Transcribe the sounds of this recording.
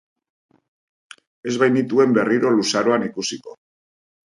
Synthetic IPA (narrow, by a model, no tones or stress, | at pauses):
e̞zβajnit̪ue̞mbe̞riɾo̞lusaɾo̞anikusiko̞